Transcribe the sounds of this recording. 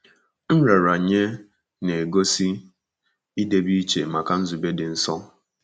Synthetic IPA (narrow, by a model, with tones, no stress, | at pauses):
n̩˦ɾe˨ɾa˨ɲe˦ | ne˨ɡo˦si˦ | i˦de˦bi˦t͡ʃe˨ma˨ka˨n̩˦zu˨be˦dɪ˨n̩˦sɔ˦